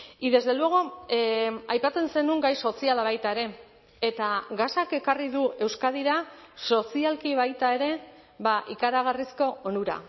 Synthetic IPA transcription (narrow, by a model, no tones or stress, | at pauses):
iðe̞zd̪e̞lueɣ̞o̞ | ajpat͡se̞nse̞nuŋɡajso̞sialaβ̞ajt̪ae̞ɾe̞ | et̪aɣasake̞kariðue̞wskaðiɾaso̞sialkiβ̞ajt̪ae̞ɾe̞ | βaʔikaɾaɣ̞arisko̞onuɾa̰